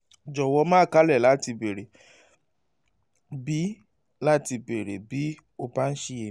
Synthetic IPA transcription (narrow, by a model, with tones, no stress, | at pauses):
d͡ʒɔ˨wɔ˧mãː˦˨ka˦lɛ˦˨la˨˦ti˧be˨ɾe˨ | bi˨˦ | la˦ti˧be˨ɾḛ˨bi˨˦ | o˧ba˦n̩˦ʃi˧e˨˦